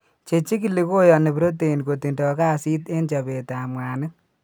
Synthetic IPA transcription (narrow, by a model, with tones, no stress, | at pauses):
t͡ʃe˨t͡ʃi˦ki˨li˦ko˦jɔ˨ne˨pi˨ɾo˦t̬e˨i˨nko˨ti˨ndɔ˨ka˦si˦te˦nt͡ʃa˨be˨ta˨mwa˨nɨ˦